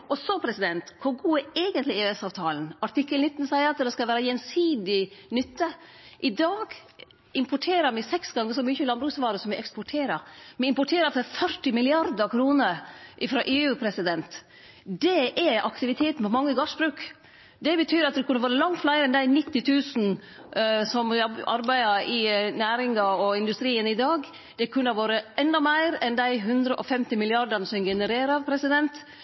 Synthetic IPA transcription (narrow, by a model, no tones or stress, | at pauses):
ʔɔsɔpʰɾɛsɪd̪ɛnt̪kʰʊɾɡuːɛeːɡənt̪lɪeːɛsɑːʋt̪ʰɑːln̩ɑʈɪkːəlnɪt̪ːn̩sæɪəɾɑt̪d̪ɛskɑʋæːɾəjɛnsiːd̪ɪnʏt̪ːə | ʔɪd̪ɑːɡ | ɪmpʊʈʰeːɾəmɪsɛksɡɑŋːəsɔmyːçəlɑnbɾʉːksʋɑːɾəsɔmɛɪɛkspɔʈʰeːɾɑmɛɪmpɔʈʰeːɾɑt̪əfœɾʈɪmɪlɪɑɾd̪əɾkʰɾuːnəɾʔɪfɾɑːʔeːʉːpʰɾɛsɪd̪ɛnt̪ | d̪ɛʔɛɑ̰kt̪ɪʋɪt̪ʰeːt̪n̩pʰɔmɑŋːəɡɑʂbɾʉːk | d̪ɛbət̪ʰyːɾɑt̪̚d̪ɛkʰʉnːəʋoːɾəlɑŋt̪flæɪɾəɛnd̪æɪnɪt̪ːɪt̪ʰʉːsn̩ | sɔmbʔɑ̰ɾbæɪɑɪnæːɾɪŋɑɔɪnd̪ʉst̪ɾiːənɪd̪ɑːɡ | d̪̥ɛkʰʉnːɑʋoːɾəɛnd̪ɑmæɪɾɛnd̪æɪɦʉnd̪ɾəʔɔfɛmt̪ɪmɪlɪɑɾd̪ənəsɔmɡɛnəɾeːɾɑɾpʰɾɛsɪd̪ɛnt̪